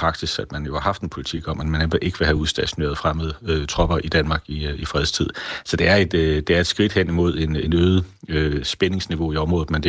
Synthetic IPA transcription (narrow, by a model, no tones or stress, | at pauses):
ʁɑ̈ɡ̥d̥isæd̥mænjo̝hɑ̈hɑ̈fd̥enpʰo̝lit͡sʰḭɡ̥ɒ̽mænmænemɐʔe̝ɡ̥əʋe̝ɦæuðˠsd̥æɕonḛːɐð̩ˠfʁaməðˠøt͡sʰʁɒ̽b̥ɐʔid̥ænmɑ̈ːɡ̥iifʁɛðˠst͡sʰið̰ˠsɒ̽d̥e̝æɐe̝d̥d̥e̝æɐe̝d̥sɡ̥ʁid̥hen̰imo̝ð̞̰ˠe̝ne̝nøːð̩ˠøsb̥ene̝ŋsniʋo̝iɒ̽mʁɔ̽ð̩ˠmænd